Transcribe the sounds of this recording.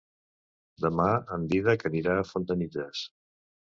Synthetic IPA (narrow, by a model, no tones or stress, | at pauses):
d̪əmaənd̪iðəkəniɾaːfont̪ənidɛs